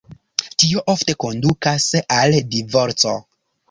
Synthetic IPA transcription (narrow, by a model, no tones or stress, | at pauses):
tio̞ʔofte̞ko̞ndukasaldivo̞ɾt͡so̞̰